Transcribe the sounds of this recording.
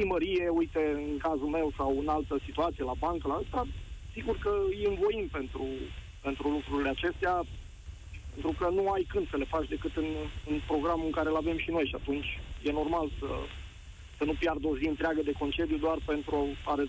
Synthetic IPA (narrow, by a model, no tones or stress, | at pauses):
iməɾije̞ujt̪eɨŋkazulme̞wsawɨnalt̪əsit̪uat̪sije̞labaŋkəlaət̪asiɡurkəjiɨnvo̞impe̞nt̪ɾu | pe̞nt̪ɾulukɾuɾile̞at͡ʃe̞st̪ea | pe̞nt̪ɾukənuajkɨnd̪səle̞fat͡ʃd̪e̞kɨt̪ɨnɨnpɾo̞ɡɾamuɨŋkaɾelave̞mʃino̞jʃiat̪unt͡ʃʲje̞no̞rmalsə̰ | sənupjard̪o̞ziɨnt̪ɾeaɡəd̪e̞ko̞nt͡ʃe̞d̪jud̪oarpe̞nt̪ɾuoaɾe